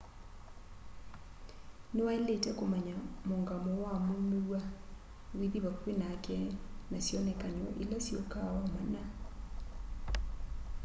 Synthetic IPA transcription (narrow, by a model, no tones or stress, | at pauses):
newaeletɛkomaɲamoŋɡamowamonuwa | wiðiβakwenakɛnasjɔnɛkaɲɔ̰ʔilasjɔkaɔmana